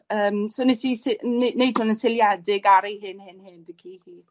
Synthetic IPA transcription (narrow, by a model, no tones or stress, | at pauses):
əːmsonesisɪnnejdʰʊnənsɪljadɪɡaɾejɦɪnhɪnhɪndəkʰihi